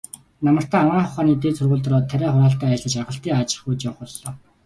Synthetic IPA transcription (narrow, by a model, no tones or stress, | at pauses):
namə̆r̥t̪æːmaːχʊχaːniːt̪eːt͡sʰɵrɣuːɮt̪̆rɔːt̪ʰːæɾʲæːχʊɾaːɬt̪æːɮə̆t͡ɕarʁə̆ɬt̪iːŋat͡ɕɪ̥̆χujt͡ɕawə̆χɔɮːɔː